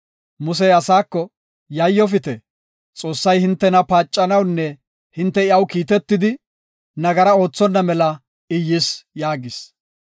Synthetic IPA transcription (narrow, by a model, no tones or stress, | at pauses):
mʊs̬ɛjɐsaːkːɔ | jɐjːɔfɪt̪ɛ | t͡sʼo̞ːsːɐjhɪnt̪ːɛnɐpaːt͡ʃʼːɐnɐwnːɛ | hɪnt̪ːɛɪɐwkiːt̪ɛt̪ːɪd̪ɪ | nɐɡɐɾɐo̞ːt͡sːɔnːɐmɛlɐ | ɪjːɪsjaːɡɪs